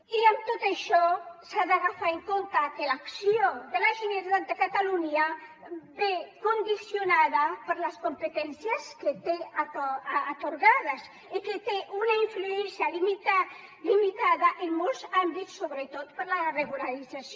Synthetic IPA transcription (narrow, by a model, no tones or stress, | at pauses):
iəmt̪ot̪əʃɔsaðaɣafaeŋkont̪akəlaksiod̪əlaʒineɾt̪at̪̚d̪əkat̪aluɲa | bekond̪isjonaðəpəɾləskompət̪ɛnsjəsket̪eː | t̪oɾɣaðəs | iket̪eʔunaiɱfluɛnsjalimit̪a | limit̪aðaʔemmɔlˠzambisːoβɾət̪ot̪pəɾlareɣulalid͡zas